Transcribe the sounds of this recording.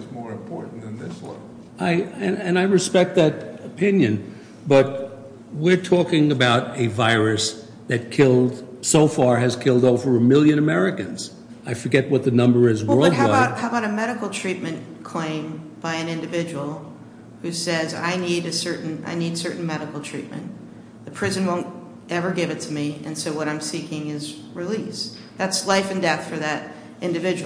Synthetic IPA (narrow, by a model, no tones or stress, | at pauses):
ɨzmɔɹɨ̃mpʰɔɹʔn̩ɨ̃nðɪswʌ̰̃ | aɪɨ̃nɨ̃naɪɹɨspɛk̚t̪̚ðɨɾəpʰɪ̃njɨ̃n | b̥ʌt̚ | wɪɹtʰɔkɪ̃ŋɨbaʊɾɨvaɪɹɨs | ðɨt̚kʰɪlˠd̥soʊfɑɹɨz̥kʰɪlˠdoʊvə˞əmɪlˠjɨ̃ñɨmɛɹɨkɨ̃nz̥ | aɪfə˞ɡɛt̚wʌt̪̚ðɨnʌ̃mbə˞ɨzwɜ˞lˠdbaʊthaʊbaʊɾɨmɛɾɨkl̩ˠtʰɹ̥it̚mɨ̃nkʰl̥ẽɪ̃mb̥aɪɨ̃nɪ̃ndɨvɪd͡ʒɨwl̩ˠ | hʉsɛza̰ɪniɾɨsɜ˞ʔn̩a̰ɪnid̥sɜ˞ʔn̩mɛɾɨkl̩ˠtʰɹ̥ḭt̚mɨ̰̃n | ðɨpʰɹ̥ɪzɨ̃nwõʊ̃nt̚ | ɛvə˞ɡɪvɨtʰɨmiɨ̰̃nsoʊwʌɾãɪ̃msikɪ̃ŋɪz | ɹilis | ðætslaɪfɨ̃ndɛθfə˞ðɨɾ | ʔɪ̃ndɨvɪd͡ʒɨ